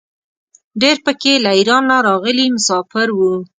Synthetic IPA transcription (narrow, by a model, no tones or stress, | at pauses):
ɖeɾpəkelaiɾɑnːaɾɑɣəlimʊsɑfɪɾwu